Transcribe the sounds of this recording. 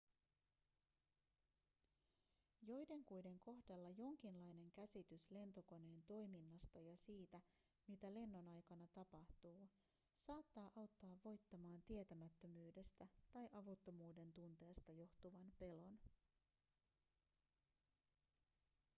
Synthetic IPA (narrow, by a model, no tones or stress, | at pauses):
jo̞jde̞ŋkujde̞ŋko̞hdɑlːɑjo̞ŋk̟inlɑjne̞ŋk̟æsit̪ysle̞nt̪o̞ko̞ne̞ːnt̪o̞jminːɑst̪ɑjɑsiːt̪æ | mit̪æle̞nːo̞nɑjkɑnɑt̪ɑpɑht̪uː | sɑːt̪ːɑːʔɑwt̪ːɑːʋːo̞jt̪ːɑmɑːnt̪ie̞t̪æmæt̪ːø̞myːde̞st̪æt̪ɑjʔɑʋut̪ːo̞muːde̞nt̪unt̪e̞ːst̪ɑjo̞ht̪uʋɑnpe̞lo̞n